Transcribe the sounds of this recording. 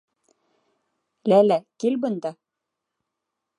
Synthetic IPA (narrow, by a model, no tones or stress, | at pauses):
lælækilbɤ̆nd̪ɑ